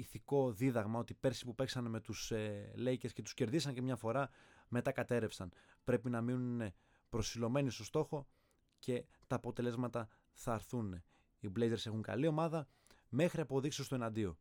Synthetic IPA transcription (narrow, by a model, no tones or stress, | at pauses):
iθiko̞ðiðɐɣmɐo̞t̪ipe̞ɾsi̥pupe̞ksɐnme̞t̪usele̞jce̞sce̞t̪u̥sce̞ɾðisɐɲcemɲɐfo̞ɾɐ | me̞t̪ɐkɐt̪e̞ɾe̞fsɐn | pɾe̞pinɐminune | pɾo̞silo̞me̞nist̪o̞st̪o̞xo̞ | ce̞ | t̪ɐːpo̞t̪e̞le̞zmɐt̪ɐ | θɐːɾθun | iblejzeɾse̞xuŋkɐ̰lio̞mɐðɐ | me̞xɾiɐpo̞ðiksiost̪o̞e̞nɐnd̪io̞